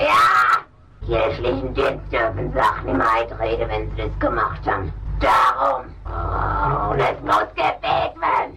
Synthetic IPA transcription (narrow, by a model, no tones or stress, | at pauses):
jaː | kiʃlɪçn̩dɪnstd̥ʏɐfn̩zaχn̩ɪmʔaɪtʁeːɡəvɛnzidasɡ̥əmaχthabnd̥aʁʊm | nɛsmʊsɡ̥əbeːtv̥ɛɐn